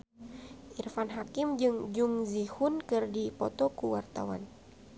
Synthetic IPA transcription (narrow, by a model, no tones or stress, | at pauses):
ʔirfanɦakimd͡ʒɨŋd͡ʒuŋzihunkɨrdipɔt̪ɔkuwart̪a̰wa̰n